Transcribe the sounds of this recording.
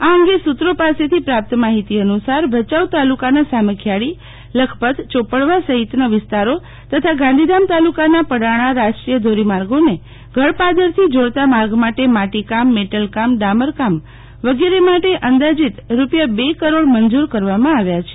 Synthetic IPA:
aəŋɡesut̪ɾopaset̪ʰipɾap̚t̪əmaɦit̪iənusaɾʋət͡ʃaʋt̪alukanasaməkʰjaɽi | ləkʰpət̪t͡ʃopəɽʋasəɦit̪naʋɪst̪aɾo | t̪ət̪ʰaɡãnd̪ʱid̪amt̪alukanapəɽaɽ̃aɾaskɾijəd̪ʱoɾimaɾɡone | ɡʱəɭpad̪əɾt̪ʰid͡ʒoɽt̪amaɾɡmaʈemaʈikamːeʈəlkamɖaməɾkam | ʋəɡeɾemaʈeʔənd̪ad͡ʒit̪ɾupjabekəɾoɽmənd͡ʒuɾkəɾʋamãaʋjat͡ʃʰe̥

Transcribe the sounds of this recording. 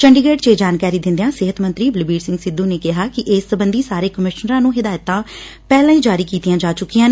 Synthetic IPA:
t͡ʃəɳɖɪɡeːʈt͡ʃeːd͡ʒaːnkaːɾiːd̪ɪ̃nd̪ejãːsɪɦət̪mənt̪ɾiːblɪbiːɖsɪ̃ŋɡsɪd̪ːuːneːkɪɦaːkɪʔeːsːəbənd̪iːsaːɾeːkəmɪʃnəɾãːnũːɦɪd̪aːjət̪ãː | pɛːlãːĩːd͡ʒaːɾiːkiːt̪ijãːd͡ʒaːt͡ʃʊkːijãːn

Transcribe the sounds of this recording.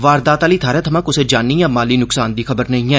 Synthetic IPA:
ʋaːɾd̪aːt̪aːliːt̪ʰaːɾɛːt̪ʰəmãːkʊseːd͡ʒaːnːiːjãːmaːliːnʊksaːnd̪iːxəbəɾnəĩːɛː

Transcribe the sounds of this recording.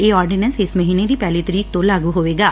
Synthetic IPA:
eːɔːɾɖɪnənsɪsməɦiːned̪iːpɛːliːt̪əɾiːk̚t̪õlaːɡuːɦoːʋeːɡaː

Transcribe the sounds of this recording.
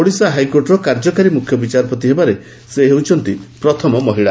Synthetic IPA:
oɽisaɦajkoɾʈɔɾɔkaɾd͡ʒɔkaɾimukʰjɔbit͡ʃaɾɔpɔt̪iɦebaɾe | seɦewt͡ʃʰɔnt̪ipɾɔt̪ʰɔmɔmɔɦiɭa̰

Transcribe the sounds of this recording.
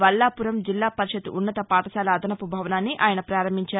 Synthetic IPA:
ʋɐlːaːpuɾɐmd͡ʒilːaːpɐɾiʃɐd̪uʔunːɐt̪ɐpaːʈ̪ɐsaːlɐːd̪ɐnɐpubʱɐʋɐnaːnːiʔaːjɐnɐpɾaːɾɐmiɲt͡ʃaː

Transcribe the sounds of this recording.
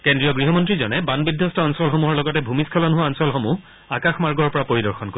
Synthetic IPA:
kendɹijɔɡɹiɦɔmɔntɹizɔnɛbanbidʱjɔstɔɔnsɔlxomuɦɔɹlɔɡɔtɛbʱumiskʰɔlɔnɦʊaɔnsɔlxomu | akaxmaɹɡɔɹpɔɹapoɹidɔɹxɔnko

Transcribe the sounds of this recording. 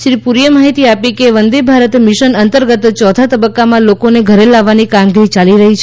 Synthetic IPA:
ʃɾipuɾjəmaɦit̪iapikeʋənd̪ebʱaɾət̪mɪʃənənt̪əɾɡət̪t͡ʃɔt̪ʰat̪əbəkːamãlokoneɡʱəɾelaʋːanikamɡiɾit͡ʃaliɾəɦit͡ʃʰ

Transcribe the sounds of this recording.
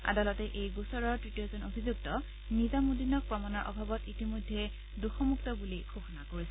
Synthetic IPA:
a̰dalɔtɛʔejɡusɔɹɔɹtɹitijozɔnobʱizuktɔ | nizamudinɔk̚pɹɔmanaɹʔɔ̰bʱabɔtitimojdʱːɛ | duxɔmuktɔbuliɡʰʱoxɔnakoɹisɛ

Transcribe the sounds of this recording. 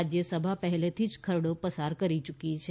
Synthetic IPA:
d͡ʒjəsəbʱapəɦɛlet̪ʰid͡ʒkʰəɾɽopəsaɾkəɾit͡ʃukit͡ʃʰe

